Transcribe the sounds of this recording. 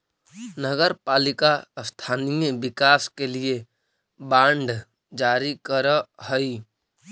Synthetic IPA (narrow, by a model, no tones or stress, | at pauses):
nəɡəɾpaːlɪkast̪ʰaːnijbɪkaːskelie | bãːɳɖ | d͡ʒaːɾikəɾəhəi